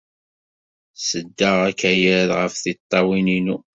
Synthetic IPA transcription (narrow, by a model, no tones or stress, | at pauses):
səd̪ːaʁækæjæðʁəfθit̪ˤːɑwininu